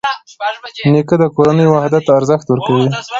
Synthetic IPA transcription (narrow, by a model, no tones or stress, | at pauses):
nekəd̪əkoɾanəjwahd̪at̪ːɾzəxt̪wəɾkawi